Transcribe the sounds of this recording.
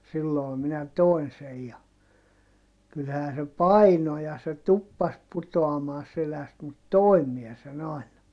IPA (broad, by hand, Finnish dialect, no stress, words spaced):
silːoː minæ toin sej jɑ kylhæː se pɑino jɑ se tupːɑs putoɑmɑː selæst mut toim miɛ sen ɑˑinɑ